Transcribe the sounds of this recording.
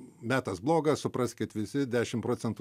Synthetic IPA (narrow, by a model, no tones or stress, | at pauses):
mʲæːt̪ɐsblˠoːɡɐsʊpɾɐsʲkʲɪt̪ʋʲɪsʲɪd̪ʲæːʃʲɪmpɾoːt͡sʲɛnt̪u